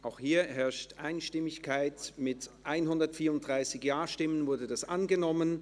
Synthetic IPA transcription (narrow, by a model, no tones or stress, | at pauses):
ʔaʊxhiːɐɦɛɐʃtʔaɪnʃtɪmɪçkʰaɪtmɪtʔaɪnɦʊndɐtfiːɐʊnt̚d̥ʁaɪsɪçjaːʃtɪmənvʊɐdədasʔanɡənɔmən